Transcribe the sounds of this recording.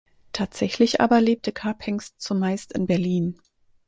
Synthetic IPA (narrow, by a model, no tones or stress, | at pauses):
tʰaːtz̥ɛçlɪçʔa̰ːbɐleːp̚tʰəkʰapʰɛŋstt͡sumaɪstɪnbɛɐliːn